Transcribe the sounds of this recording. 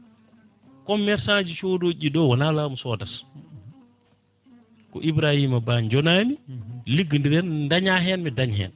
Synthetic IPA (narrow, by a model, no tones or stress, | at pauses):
kɔmːɛɾsad͡ʒit͡ʃodoːʄiɗɔwanalaːmusɔːdas | kɔ̰ʔibɾahimabaɲd͡ʒɔnaːmiliɡindidɛnndaɲaɦɛnmɛdaɲhɛ̰n